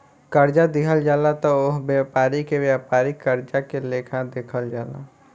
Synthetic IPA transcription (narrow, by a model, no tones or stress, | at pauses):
kəɾd͡ʒad̪ɪkʰəld͡ʒaːlat̪ɔʊɦbjaːpaːɾikeʋjaːpaːɾikəɾd͡ʒakeleːkʰad̪eːkʰəld͡ʒaːla̰